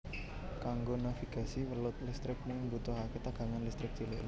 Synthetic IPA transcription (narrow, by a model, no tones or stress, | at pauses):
kaŋɡonafiɡ̥asiwəlʊt̪̚lɪst̪ɾɪk̚muŋnbut̪ɔɦaket̪aɡ̥a̤ŋanlist̪ɾɪk̚t͡ʃilɪ